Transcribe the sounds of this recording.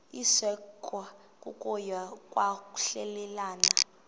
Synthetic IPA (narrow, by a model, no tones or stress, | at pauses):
isɛkʰʼwa | kʼukʼɔjakʼwaku̥ɬɛlɛlaːna